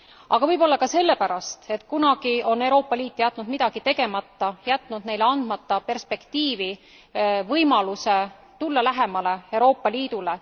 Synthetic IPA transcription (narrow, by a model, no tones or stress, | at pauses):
ɑɡ̥ɑvɤjbo̞lːɑkɑse̞lːe̞pæɾɑst̪e̞t̪ːˑkunɑɡ̥io̞ne̞wɾo̞ːpːˑɑliːt̪ːˑjæt̪ːˑnud̪mid̪̥ɑɡ̥it̪e̞ɡe̞mɑt̪ːɑjæt̪ːˑnud̪̥ne̞jleɑnd̪̥mɑt̪ːɑpe̞rspe̞kt̪iːvi | vɤjmɑluse̞ | t̪ulːɑlæɦe̞mɑle̞ewɾo̞ːpːˑɑliːd̪̥ule